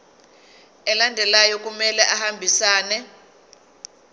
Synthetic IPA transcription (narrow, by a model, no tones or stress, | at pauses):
ɛlandʱɛlajɔkumɛlɛʔahambʱisaːnɛ